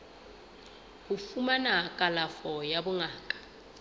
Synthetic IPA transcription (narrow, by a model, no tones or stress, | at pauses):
hufumanakʼalafɔjabʊŋaːkʼḁ